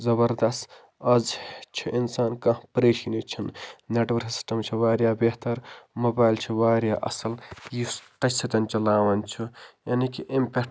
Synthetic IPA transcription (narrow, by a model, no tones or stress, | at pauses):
zɐbɐɾd̪ɐst̪ | ɐzt͡ʃʰiʔinsaːnkɐ̃hpɾeːʃinit͡ʃʰinneʈʋɐɾsi̥sʈɐmt͡ʃʰiʋaːɾʲjaːbeht̪ɐɾmoːbaːjlt͡ʃʰiʋaːɾjaːʔɐ̰sɐljisʈɐsʰɐt̪ɐnʲt͡ʃɐlaːwɐnʲt͡ʃʰijaːnikiʔimpʲe